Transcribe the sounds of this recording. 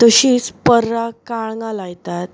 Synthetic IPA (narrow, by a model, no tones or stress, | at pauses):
t̪əɕiːspəɾːakaɭŋɡãlajt̪at̪̚